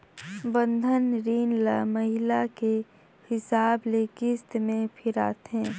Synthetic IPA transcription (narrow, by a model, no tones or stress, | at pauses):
bə̃nd̪ʱənɾiːnlamɐɦɪlake | hɪsaːbleːkɪst̪mẽpʰɪɾa̰ːt̪ɦɛ̃ː